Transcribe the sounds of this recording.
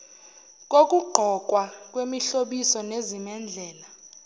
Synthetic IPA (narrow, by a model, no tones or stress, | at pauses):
k̬ʼok̬ʼuɡ͡ǃʱɔkʼwak̬ʼwemiɬoɓisɔnezimɛnd͡ɮʱɛːla